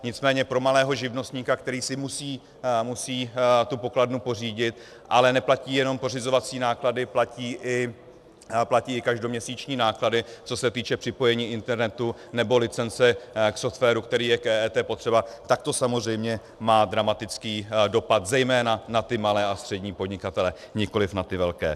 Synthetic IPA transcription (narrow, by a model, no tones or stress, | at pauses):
ɲɪt͡smɛːɲɛpɾo̞malɛːɦo̞ʒɪvno̞st̪ɲiːkakt̪ɛɾiːsɪmusiː | musiːt̪upo̞kladnupo̞r̝iːɟɪt̪̚ | ʔalɛnɛplaciːjɛnompo̞r̝ɪzo̞vat͡siːnaːkladɪplaciːʔɪ | placiːɪkaʒdo̞mɲɛsiːt͡ʃɲiːnaːkladɪt͡so̞sɛt̪iːt͡ʃɛpr̝̥ɪpo̞jɛɲiːʔɪnt̪ɛɾnɛt̪u | nɛbo̞lɪt͡sɛnt͡sɛkso̞ft̪fɛːɾukt̪ɛɾiːjɛkɛːɛːt̪ɛːpo̞t̪r̝̥ɛbat̪ak̚t̪o̞samozrɛjmɲɛ | maːd̪ɾamat̪ɪt͡skiːdo̞pat̪zɛjmɛːnanat̪ɪmalɛːast̪r̝̥ɛɟɲiːpodɲɪkat̪ɛlɛ | ɲɪko̞lɪfnat̪ɪvɛlkɛ̰ː